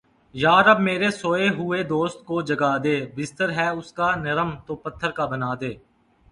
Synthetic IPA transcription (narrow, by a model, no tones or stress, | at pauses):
jaːɾəbmeːɾesoːeɦʊed̪oːst̪̚kod͡ʒɐɡaːd̪eːbɪst̪əɾɦɛːʊskaːnɐɾəmt̪oːpɐt̪ʰːəɾkaːbənaːd̪eː